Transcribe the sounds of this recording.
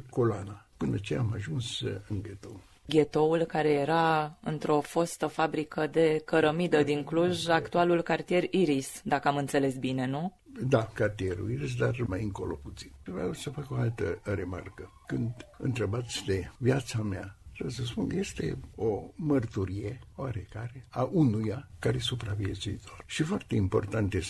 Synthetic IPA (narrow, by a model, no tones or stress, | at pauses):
kolanapɨnət͡ʃejamaʒunsɨŋɡʲet̪o̰ | ɡʲe̞t̪o̞ulkaɾe̞je̞ɾaɨ̰nt̪ɾo̞fost̪əfabɾikəd̪e̞kəɾəmid̪əd̪iŋkluʒakt̪ualulkart̪ijeɾiɾisd̪akəamɨnt̪se̞le̞sbine̞nu | d̪akart̪ieɾṵiɾis̬d̪armajɨŋkolopu̥t̪si̥nvɾawsəfako̞alt̪əɾe̞ma̰rkəkɨnd̪ɨ̰nt̪ɾebat̪sʲd̪evjat̪sameat̪ɾebjes̬əspuŋkəje̞st̪e̞̰omərt̪uɾijeoaɾekaɾeaʔunujakaɾesupɾaviet̪suit̪o̞rʃifoart̪e̞impo̞̰rt̪ant̪je